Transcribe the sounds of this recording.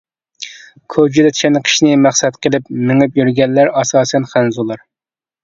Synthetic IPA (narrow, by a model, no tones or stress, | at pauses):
kʰod͡ʒid̪ɛt̪ʰi̥ʃɛnɨqʰi̥ʃnɪmæχsɛt̪qʰəlˠɪpmɪŋɪpjyɾɡʲɛnːæɾɑsɑːsɛnχænzulˠɑɾ